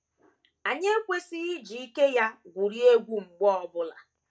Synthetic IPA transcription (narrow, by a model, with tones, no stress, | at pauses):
a˨ɲe˦e˦kʷe˦si˦i˦d͡ʒi˨i˦ke˦ja˦ɡʷu˨ɾi˦e˦ɡʷu˦ŋ͡m̩˨ɡ͡bɔ˦ɔ˨bʊ˦la̰˨